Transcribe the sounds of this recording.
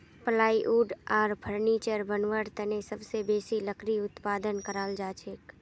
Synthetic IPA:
pəlaːiʔuːɖɔːɾpʰəɾniːt͡ʃəɾbənʋəɾt̪ənesəbsebeːsiləkɾiʊt̪paːd̪ənkəɾaːld͡ʒaːt͡ʃʰek

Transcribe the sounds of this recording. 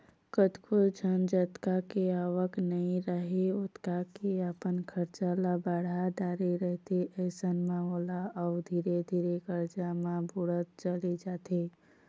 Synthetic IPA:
kət̪kʰʊld͡ʒʱənd͡ʒət̪kakeaːwəknəɦĩɾəɦeʊt̪kakeaːpənkʰəɾt͡ʃalabaːɽaɖaːɾeɾəɦt̪eɛːsənmãoːlaɔːd̪ʱiːɾed̪ʱiːɾeɡəɾd͡ʒamãbuɽət̪̚t͡ʃəled͡ʒaːt̪eː

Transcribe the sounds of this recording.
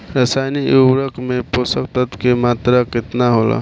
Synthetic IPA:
ɾəsajniuɾəkmeposək̚t̪ət̪kemat̪ɾakɪt̪naɦola̰

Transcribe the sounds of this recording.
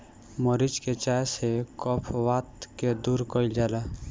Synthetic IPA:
mɔɾid͡ʒket͡ʃasekɔpʰʋaːt̪ked̪uːɾkɔild͡ʒaːla

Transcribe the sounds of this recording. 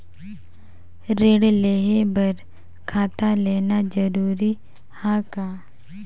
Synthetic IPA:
ɾeːɽleːɦebɐɾ | kʰaːt̪aleːnad͡ʒəɾuːɾi | haːkaː

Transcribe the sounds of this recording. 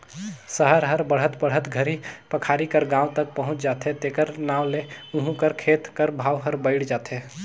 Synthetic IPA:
səɦəɾɦəɾbəɽ̤ət̪bəɽ̤ɦət̪ɡʱəɾipəkʰaːɾikəɾɡãːwt̪ək̚pəɦʊ̃t͡ʃd͡ʒaːt̪ɦet̪eːkəɾnaːwleʊɦũkəɾkʰeːt̪kəɾbʱaːwɦəɾbəɪɽd͡ʒaːt̪e

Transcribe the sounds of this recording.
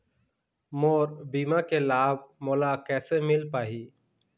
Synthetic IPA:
moːɾbiːmakelaːb̚moːlakɛːsemɪlpaːɦiː

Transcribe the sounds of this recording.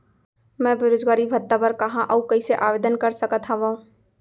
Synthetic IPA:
mɛ̃beɾoːd͡ʒɡaːɾibʱɐt̪ːabəɾkɐɦãʔɐukɐiseʔaːʋeːd̪ənkɐɾsəkət̪ʰːaʋoː

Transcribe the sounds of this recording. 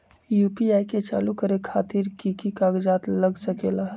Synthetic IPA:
juːpiaːiket͡ʃa̰ːlukəɾekʰaːt̪iɾkikikaːɡd͡ʒaːt̪ləɡsəkeːla

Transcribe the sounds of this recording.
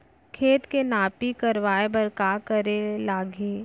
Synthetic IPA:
kʰeːt̪kenaːpikɐɾʋaːebɐɾkaːkɐɾelaːɡeː

